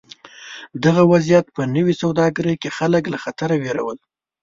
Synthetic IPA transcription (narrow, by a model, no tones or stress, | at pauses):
d̪aɣawazijat̪̚pənəwisawd̪ɑɡaɾəjkexaləklaxat̪aɾaweɾa̰wəl